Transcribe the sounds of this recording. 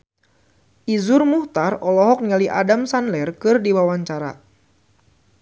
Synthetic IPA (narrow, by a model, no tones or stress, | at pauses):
ʔizʊrmuht̪arɔlɔɦɔk̚nŋaliʔa̰damsanlɛrkɨrdiwawaɲt͡ʃaɾa̰